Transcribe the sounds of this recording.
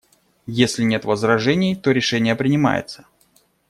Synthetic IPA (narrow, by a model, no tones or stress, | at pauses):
jesʲlʲɪnʲe̞t̪vəzɾɐʐɛnʲɪjt̪oɾʲɪʂɛnʲɪjəpɾʲɪnʲɪma̰jɪ̰t̪sə̥